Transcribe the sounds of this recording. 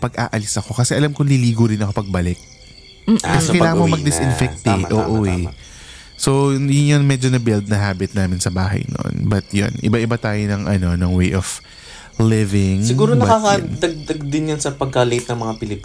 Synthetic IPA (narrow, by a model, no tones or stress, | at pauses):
pɐɡʔa̰ːʔɐlɪsɐko̞kɐsɛʔɐlamkʊŋliliːɡʊɾɪnɐko̞pɐɡ̚bɐlɪk̚ | kɐsɛkɐjlaːŋɐmomɐɡd̪ɪsʔɪnfɛk̚t̪ɛʔoːʔoɛ | sojʊnjonmɛd͡ʒonɐbɪld̪̚nɐɦaːbɪt̪̚naːmɪnsɐbaːɦɐ̰jno̰nbɐt̪jo̰nʔɪ̰baʔɪbat̪aːjonɐŋʔɐno̞nɐŋwejʔov̥ | lɪvɪŋsɪɡuːɾonbkakɐd̪ɐɡ̚d̪ɐɡ̚d̪ɪnjɐnsɐpɐɡ̚kɐlejt̪̚nɐŋmɐŋapɪlɪp